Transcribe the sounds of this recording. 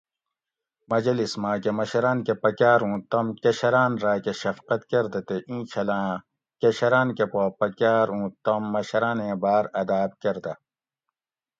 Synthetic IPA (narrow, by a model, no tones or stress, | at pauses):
mɐd͡ʑɐlismãːkemɐɕɐɾaːnkepɐkaːɾũːt̪ɐmkɐɕɐɾaːnɾaːkeɕɐfqɐt̪kɐɾd̪ɐt̪eʔĩːt͡ɕʰɐlãː | kɐɕɐɾaːnkepoːpɐkaːɾũːt̪ɐmːɐɕɐɾãːnẽːbaːɾɐd̪aːb̚kɐɾd̪ɐ